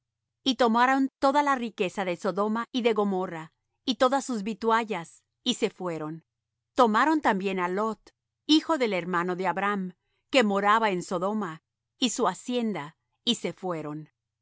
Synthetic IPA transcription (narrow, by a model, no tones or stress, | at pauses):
it̪o̞maɾont̪o̞ðalarike̞saðeso̞ðo̞maʔiðe̞ɣo̞mora | it̪o̞ðasuzβit̪waʝas | ise̞fwe̞ɾo̞n | t̪o̞maɾo̞nt̪ambje̞nalo̞t̪ | ixo̞ðe̞leɾmano̞ðeaβɾam | ke̞mo̞ɾaβaenso̞ðo̞ma | isuasje̞nd̪a | ise̞fwe̞ɾo̞n